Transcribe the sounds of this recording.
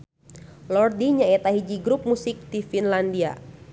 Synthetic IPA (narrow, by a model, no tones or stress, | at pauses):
lɔrdiɲaɛt̪aɦid͡ʒiɡɾup̚musɪk̚difinlandia̰